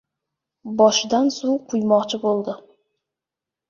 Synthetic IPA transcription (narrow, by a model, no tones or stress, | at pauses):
bɒʃɪd̪ansuqʰʊjmɒqt͡ʃʰɪbolˠd̪ɪ